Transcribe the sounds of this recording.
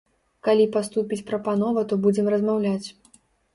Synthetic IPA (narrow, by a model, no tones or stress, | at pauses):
kalʲipast̪upʲit͡sʲpɾɐpanɔvɐt̪ɔbud͡zʲɛmrɐzmawlʲat͡sʲ